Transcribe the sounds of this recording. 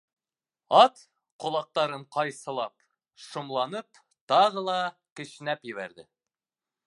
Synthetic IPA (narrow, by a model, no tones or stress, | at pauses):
ɑt̪ | qŏlˠɑq̚t̪ɑɾɤɴqɑjsɤ̆lˠɑp | ʃŏmlˠɑnɤp | t̪ɑʁɤlˠɑkɘ̆ʃɘ̆næpjɘ̆βæ̰ɾd̪ɘ